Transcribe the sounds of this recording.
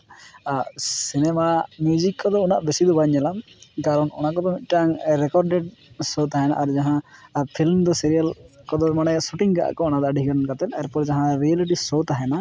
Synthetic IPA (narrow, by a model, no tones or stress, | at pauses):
sinɛmamjud͡ʒikːɔd̪ɔunaʔbɛsid̪ɔbaɲɛlamkaɾɔnɔñakɔd̪ɔmit̪̚ˀʈaŋɾɛkɔɾɖɛɖsot̪aɦɛna̰ʔaɾd͡ʒaɦãpʰilmd̪ɔsiɾijalkɔd̪ɔmanɛsuʈiŋɡaʔa̰ʔkɔɔnad̪ɔɖʱiɦkankat̪ɛt̪ɛɾpɔɾd͡ʒaɦãɾialiʈ̬isot̪aɦɛna